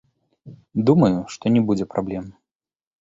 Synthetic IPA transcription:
d̪umɐjuʂt̪ɔnʲɛbud͡zʲɛpɾablʲɛm

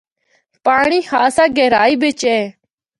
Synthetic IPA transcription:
paːɳiːhaːsaːɡɛːɾaːiːbɪt͡ʃeː

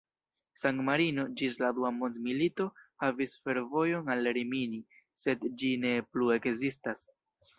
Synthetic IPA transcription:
saŋtmaɾino̞d͡ʒisladuamo̞nd̪milito̞havisfe̞ɾvo̞jo̞nalːeɾimini | se̞dd͡ʒine̞plue̞kzistas

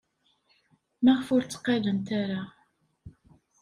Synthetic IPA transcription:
mæʁfʊɾt͡sːə̥qːɑðənt̪æɾa

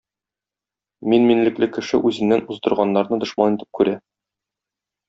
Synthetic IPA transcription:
minminlɘ̆klɘkɘ̆ʃɘʔʉzɘ̆nnːænuzd̪ɤ̆ɾʁɑnːɑɾnɤd̪ŏʃmɑnit̪ɘ̥p̚kʉɾæ

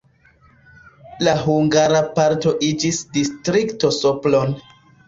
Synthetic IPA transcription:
laɦuŋɡaɾapaɾto̞ʔid͡ʒisdistɾikto̞soplon

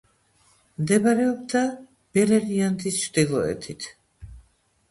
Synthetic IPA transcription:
md̪ɛbaɾɛɔbd̪a | b̥ɛɾɛɾiant̪ʰist͡ʃʰɾd̪ilˠɔɛ̰t̪ʰit̪ʰ

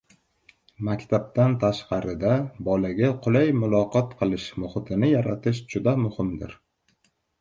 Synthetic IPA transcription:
makʲt̪ʰab̚t̪ant̪ʰaʃqɑɾɪd̪abɒlaɡʲaqʰʊlajmʊlˠɒqɒt̪qʰɨlˠɪʃmʊχɪt̪ʰɪnɪjaɾat̪ʰɪʃd͡ʒʊd̪amʊhɪmd̪ɪ̰ɾ

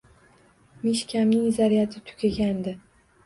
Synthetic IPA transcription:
miʃkʲʰamnɪŋzaɾijat̪ʰɪt̪ʰʊ̥kʲaɡʲand̪ɪ

